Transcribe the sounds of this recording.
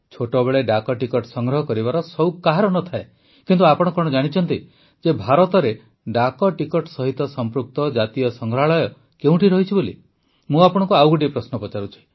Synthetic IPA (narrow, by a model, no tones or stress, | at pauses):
t͡ʃʰoʈɔbeɭeɖakɔʈikɔʈsɔŋɡɾɔɦɔkɔɾibaɾɔsɔwkaɦaɾɔnɔt̪ʰae | kint̪uapɔɽ̃ɔkɔɽ̃ɔd͡ʒaɽ̃it͡ʃʰɔnt̪i | d͡ʒebʱaɾɔt̪ɔɾe | ɖakɔʈikɔʈɔsɔɦit̪ɔsɔmpɾuk̚t̪ɔd͡ʒat̪ijɔsɔŋɡɾɔɦaɭɔjɔ | keũʈʰiɾɔɦit͡ʃʰibolḭ | mũapɔɽ̃ɔ̃ŋkuawɡuɖipɾɔsnɔpɔt͡ʃaɾut͡ʃʰi̥